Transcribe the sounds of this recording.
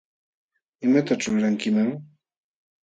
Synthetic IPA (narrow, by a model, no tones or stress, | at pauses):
ɪmat̪aʈ͡ʂʊɾaŋkɪmaŋ